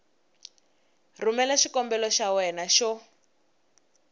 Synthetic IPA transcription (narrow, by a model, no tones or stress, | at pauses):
rumɛlaʃikɔmbɛlɔʃawɛnaʃɔ